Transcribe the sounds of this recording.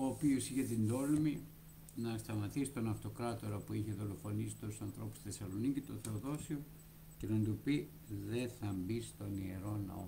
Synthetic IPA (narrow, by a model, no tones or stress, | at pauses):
oːpiosiçet̪ind̪o̞lmi | nɐst̪ɐmɐt̪isi̥t̪onɐft̪o̞kɾɐt̪o̞ɾɐpuiçeðo̞lo̞fo̞nisit̪osɐnθɾo̞pu̥sθe̞sɐlo̞nicit̪o̞θe̞oðo̞sio | ce̞nɐnd̪upi | ðe̞θɐmbist̪o̞nie̞ɾo̞nɐ̰o̰